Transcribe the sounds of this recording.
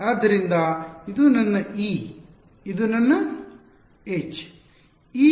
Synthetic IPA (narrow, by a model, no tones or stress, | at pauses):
aːd̪ʱɐɾind̪ɐid̪unɐnːɐiː | id̪unɐnːɐ | et͡ʃ | iː